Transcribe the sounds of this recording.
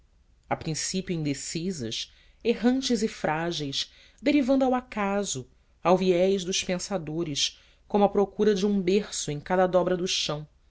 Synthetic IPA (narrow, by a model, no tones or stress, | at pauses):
apɾĩsipjʊĩnd̪esizɐ̰ʃ | eɦɐ̃nt͡ʃɪzɪfɾʔaʒejʃ | d̪eɾivɐ̃nd̪ʊawakazʊ | awviɛjʒd̪ʊʃpẽsad̪oɾɪʃ | kõmʊɐpɾokuɾɐd͡ʒɪũbeχsʊẽj̃kad̪ɐd̪ɔbɾɐd̪ʊʃɐ̃w̃